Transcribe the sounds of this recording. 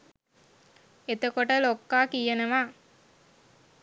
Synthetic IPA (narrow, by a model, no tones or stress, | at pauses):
et̪əkoʈəlokːaːkijenəʋaː